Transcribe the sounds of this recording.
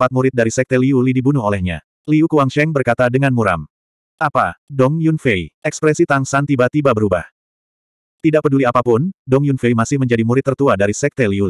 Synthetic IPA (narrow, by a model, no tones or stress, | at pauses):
fat̪̚muɾɪt̪̚daɾisɛk̚t̪ɛliulidibunuɦolɛhɲa̰ | liukuaŋʃɛŋbərkat̪adəŋanmuɾa̰m | ʔapadɔŋjunfejʔɛkspɾɛsit̪aŋsant̪ibat̪ibabəɾubah | t̪idaʔpəduliapapʊndɔŋjunfejmasɪhməɲd͡ʒadimuɾɪt̪ːərt̪uadaɾisɛk̚t̪ɛliuli